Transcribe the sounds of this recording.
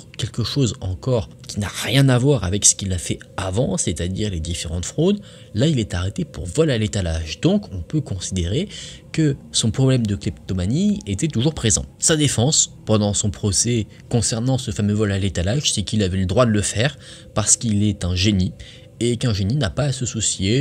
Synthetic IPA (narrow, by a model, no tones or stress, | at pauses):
kʲɛlkəʃozɑ̰̃kɔʁ | kʲinaʁjɛ̃navwaʁavɛksə̥kilafɛavɑ̃set̪ad̪iʁled̪ifeʁɑ̃t̪fχod̪ | lailɛt̪aʁet̪epuʁvɔlalet̪alaʒd̪ɔ̃kɔ̃pøkɔ̃sid̪eʁekəsɔ̃pχɔblɛmd̪əklip̚t̪omaniet̪ɛt̪uʒuʁpχezɑ̰̃sad̪efɑ̃spɑ̃d̪ɑ̃sɔ̃pχɔsɛ | kɔ̃sɛʁnɑ̃səfamøvɔlalet̪alaʒsɛkilavɛləd̪ʁwad̪ələfɛʁ | paʁsə̥kilɛt̪ɛ̃ʒeni | ekɛ̃ʒeninapaːsəsusje